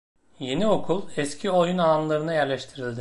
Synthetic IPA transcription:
je̞nio̞kʰulˠɛscʰio̞junaːnlˠaɾɯnajæɾlʲɛʃt̪ʰiɾilʲd̪ɪ

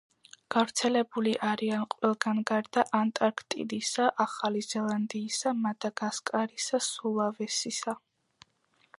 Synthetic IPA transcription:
ɡ̥avɾt̪sʰɛlɛbuliʔaɾianqʼwɛlˠɡanɡaɾd̪aʔant̪ʼaɾkʰt̪ʼḭd̪isaʔaχalizɛlˠand̪iːsamad̪̥aɡaskʼaɾisasulˠavɛsisa

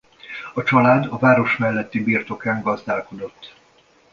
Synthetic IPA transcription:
ɒt͡ʃɒlaːd̪ɒvaːɾo̞ʃmɛlːɛt̪ːibiːrt̪o̞kaːŋɡɒzd̪aːlko̞d̪o̞t̪ː

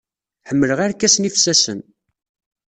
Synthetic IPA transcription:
ħəmːələʁæɾkːæsnifsæsən

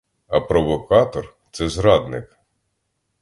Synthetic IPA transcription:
ɐpɾɔʋɔkɑt̪ɔrt̪sɛzɾɑd̪nɪk

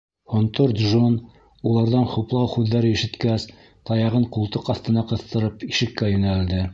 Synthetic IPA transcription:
hont̪oɾd̪ʒon | ulˠɑɾðɑnχuplˠɑwχʉðːæɾɘiʃɘ̆t̪kæs | t̪ɑjɑʁɤɴqulˠt̪ɤqɑθt̪ɤ̆nɑqɤ̆θt̪ɤ̆ɾɤpiʃɘ̆kːæjɵ̆næld̪ɘ

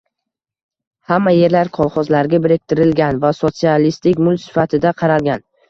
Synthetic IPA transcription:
hamːaje̞ɾlaɾqʰɒlˠχɒzlaɾɡʲabɪɾek̚ʲt̪ʰɪɾɪlɡʲanvasot̪sialist̪ɪkʲmʊlsɪ̥fat̪ʰɪd̪aqʰɑɾalˠɡʲan

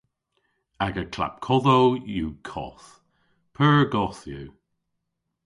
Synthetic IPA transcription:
aɡəkʰla̰p̚kʰɔðowjukʰɔ̰θ | pʰəːɹɡɔθju

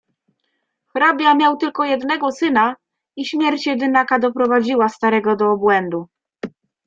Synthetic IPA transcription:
xɾabʲjamʲjawt̪ɘlkɔjɛd̪nɛɡɔsɘna | iɕmʲjɛɾt͡ɕjɛd̪ɘnakad̪ɔpɾɔvad͡ʑiwast̪aɾɛɡɔd̪ɔːbwɛnd̪u

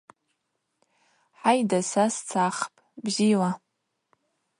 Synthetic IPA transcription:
ħajdasast͡sʰaχpʼbzila

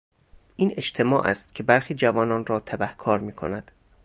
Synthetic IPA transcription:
ʔiːne̞t͡ʃt̪ʰe̞mɒ̰ːʔæ̰st̪̚cʲʰe̞bæɾxiːd͡ʒævɒːnɒːnɾɒːt̪ʰæbæhkʰɒːɾmiːkʰo̞̰næd̪̥

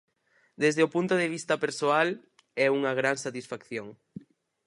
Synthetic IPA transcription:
d̪ezðeopunt̪oðeβ̞ist̪ɐpeɾsoal | ɛuŋɐɣ̞ɾaŋsat̪isfakθjoŋ

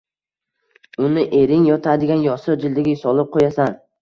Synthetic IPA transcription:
ʊnɪʔe̞ɾɪŋjɒt̪ʰad̪ɪɡʲanjɒsɨɾd͡ʒɪld̪ɪɡʲɪsɒlˠɪp̚qʰojasan

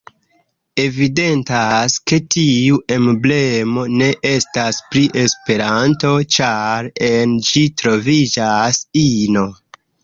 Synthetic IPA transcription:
e̞vide̞ntaske̞tiuʔemble̞mo̞ne̞ʔe̞staspɾiʔe̞spe̞ɾanto̞t͡ʃaɾe̞nd͡ʒitɾo̞vid͡ʒasino̞

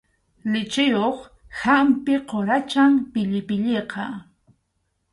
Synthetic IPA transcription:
lɪt͡ʃɪjoχ | hampɪqoɾat͡ʃampɪʎɪpɪʎeqɑ

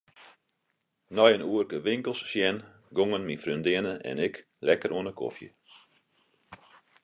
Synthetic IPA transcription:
nɔjənuərkəʋɪŋkəlˠsːjɛn | ɡoŋənmifrøndɪənəʔɛ̰nɛk | lɛkəɾʔuənəkʰo̰fjə̰

